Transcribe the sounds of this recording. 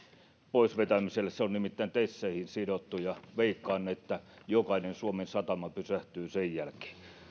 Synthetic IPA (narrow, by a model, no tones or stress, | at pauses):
poisʋet̪æmiselːˑesseonnimit̪ːæint̪esːeihinsidot̪ːujɑʋeikːɑːnːeet̪ːæ | jokɑinensuomensɑt̪ɑmɑpysæht̪yːsejjælke̥ː